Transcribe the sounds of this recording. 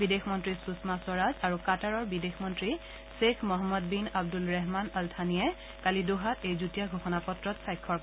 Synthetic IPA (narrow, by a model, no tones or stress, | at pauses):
bidexʰmɔntɹisusmaswɔɹazaɹukataɹɔɹbidexʰmɔntɹi | sekʰmɔɦɔmːɔdbinab̚dulɹɛɦmanɔltʰaniɛ | kalidoɦatejzutijaɡʱoxɔnapɔtɹɔtsajkʰːɔɹ